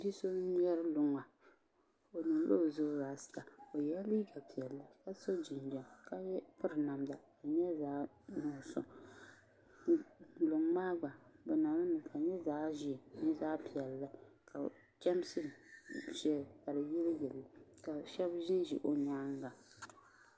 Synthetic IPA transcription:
di˦so˦ɲɛ˦ɾɨ˦lʊ˨ŋa˨ | o˨nɨ˨ŋ˦lo˦˨zʊ˦zaː˨sɨ̥˨˦ta˨o˨jɛ˦li˦ɡa˨pi˨ɛ˨lːa˨ka˦so˦d͡ʒɪ˨nd͡ʒɛ˨mka˦ɛ˦pɨ˦ɾɨ˨na˨mda˨ka˨ɲɛ˦zaː˦ | nʊ˨sɔ̰˨˦ | lʊ˨ŋmaː˦ɡ͡ba˨bɨ˨na˨lɨ˦nɨ˨ka˨ɲɛ˦zaː˦ʒi˨ni˦zaː˦pi˨ɛ˨lːa˦ka˨ | t͡ʃɛ˦m˦sɨ˦˨ʃɛ˦˨ka˨lɨ˨jɪ˦ljɛ˨li˨ka˨ʃɛ˦bʒɪ˦nʒḭ˨ʔo˨ɲa˦ŋɡa˨

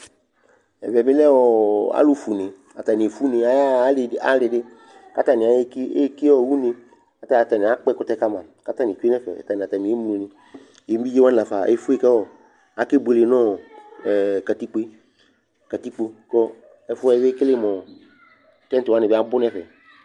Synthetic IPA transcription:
ɛ̰˨vɛ˨bɪ˦lɛ˦wɔ˨a̰˦lu˦fu˨nɪ̃˨ | a˨ta˨ni˨e˨fu˦ne˨a˨˦a˦la˦lɪ˨dɪ˦ | ka˦ta˦˨nɪ̃˨a˨˦ki˦e˦ki˦ɔ˦˨wu˦nɪ̃˧ | ka˦ta˦˨a˨ta˨nĩ˨a˨˦k͡pɛ˦kʊ˦tɛ˦ka˦mã˨ka˦ta˦˨nĩ˨t͡ʃe˦nɛ˦fɛ̰˨ta˨nĩ˨a˨ta˨nĩ˨e˦m˦˨nĩ˨ | e˨˦m˦bi˦d͡ʒe˦wa˦n˨la˨fa˨e˦fu˦e˦˨kɛ˦wɔ˨ | a˨˦ke˦be˧le˨nɔ̃˦˨ | ka˨ti˦k͡pe˦ | ka˨ti˦k͡po˦kɔ˦ | ɛ˦fʊ˦ɛ˦˨ve˦kɪ˦lɪ˦˨mɔ̃˨˦ | tɛ˦n˦tɪ˨wa˦nɪ˨bɪ˦a˦bʊ˦nɛ˦fɛ˨

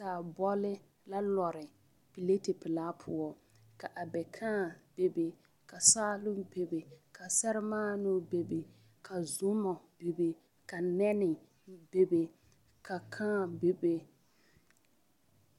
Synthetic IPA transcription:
ka˨bɔ˦lɪ˦ | la˦lɔ˨ɾɪ˨ | pi˨le˦tɪ˨pɪ˨laː˦pʰʊ˦ɔ˨ | ka˨ʔa˨bɛ˨kʰaː˦˨b̥e˨be˨ | ka˨saː˦lʊ˦be˨be˨ka˨sɛ˦ɾɪ˦maː˦nʊ˦be˨be˨ | kʰa˨zʊ˦mɔ˨be˨be˨ | ka˨nɛ˦nɪ˨ | be˨be˨ | ka˨kʰãː˦˨be˨be˦

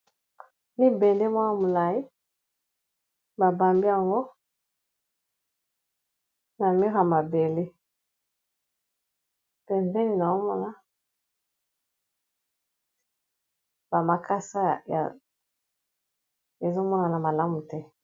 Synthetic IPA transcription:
mi˦bɛ˨ndɛ˦mwa˦na˨mo˨la˨ji˦ | ba˨ba˨mbi˦a˨ŋɡo˦ | na˨mi˦ɣa˨ma˨be˨le˦ | pɛ˨nzɛ˦ni˨na˨o˦mɔ˦na˦ | ba˨ma˨kʰa˦sa˦˨ja̰˨ | e˨zo˦mɔ˦na˨na˨ma˨la˦mu˨tɛ˦

